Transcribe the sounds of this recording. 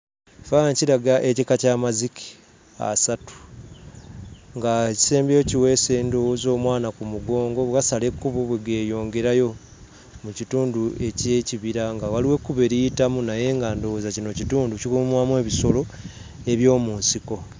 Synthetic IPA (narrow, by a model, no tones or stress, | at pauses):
faɲciɾaɡaʔecikacaːmaziki̥ | a̰satu̥ | ŋɡaci̥se̞ːmbociwe̞ːse̞ːndozo̞ːmwaːnakumuɡo̞ːŋɡo̞βwasalekːuβuβweɡe̞ːjo̞ːŋɡe̞ɾajo̞ | mucituːndue̞ce̞ciβiɾaŋɡawaliwe̞kːuβe̞ɾiitamunaje̞ŋɡandowzacino̞cituːnducikumwamwe̞ːβiso̞lo̞ | e̞βjo̞ːmuːnsiko̞